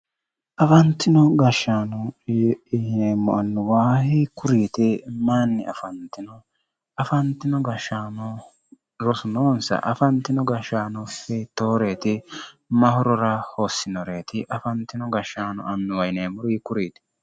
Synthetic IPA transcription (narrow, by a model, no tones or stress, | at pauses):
ʔɐfɐnt̪ːɪnɔɡɐʃːaːnɔ | hneːmːɔɐnːʊwaːhɪkʊɾiːt̪ɪmanːɪɐfɐnt̪ːɪnɔ | ɐfɐnt̪ɪnɔɡɐʃaːnɔ | ɾɔsʊnoːnsɐ̰ʔɐfɐnt̪ːɪnɔɡɐʃaːnɔfɛt̪oːɾe̞ːt̪ɪmɐhɔɾɔɾɐhoːsːɪnɔɾe̞ːt̪ɪʔɐfɐnt̪ːɪnɔɡɐʃaːnɔ̰ʔɐnːʊwɐjneːmːʊɾʊɪkʊɾiːt̪ɪ̥